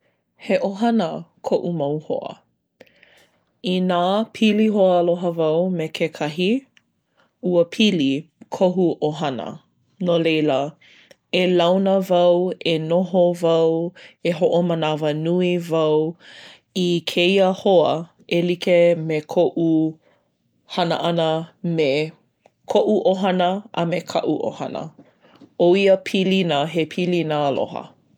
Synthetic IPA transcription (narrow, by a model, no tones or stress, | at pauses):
heʔoɦɐnəkʰoʔumɐwho̰ə̰ | inaːpʰiliɦoəloɦəvɐwmekʰekʰɐɦi | uəpʰilikʰoɦuʔoɦɐnə̰ | nolejlə | elawnəvɐwenoɦovɐweɦoʔomənavənuivɐw | ikʰeiəhoə | elikemekʰoʔu | hɐnə̰ʔɐnəme | kʰoʔuʔoɦɐnəʔɐ̰mekʰɐ̰ʔuʔo̰hɐnə̰ | oiəpʰilinəɦepʰilinəlo̰ɦə̰